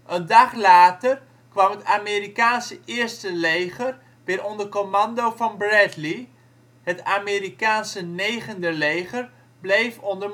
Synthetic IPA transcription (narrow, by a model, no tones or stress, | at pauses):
ʔəndɑχlaːtər | kʋɑmɦətaːmeːɾikaːnsəʔɪːɹstəlejχər | ʋɪːɾʔɔndəkomɑndowvɑnbrɛtli | ɦətaːmɪːɾikaːnsənejχəndəlejχəɹ | blejfɔndə